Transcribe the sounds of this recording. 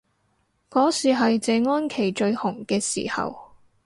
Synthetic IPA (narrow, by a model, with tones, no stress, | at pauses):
kɔː˨˥siː˨˩ɦɐ˨jt͡sɛː˨ŋɔː˥nkʰe˨˩jt͡ʃɵ˧ɥhʊ˨˩ŋkɛː˧sḭː˨˩hɐ̰˨w